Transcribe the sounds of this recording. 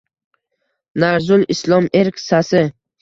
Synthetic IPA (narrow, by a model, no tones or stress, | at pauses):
naɾzʊlɪslˠɒmeɾkʲsasɪ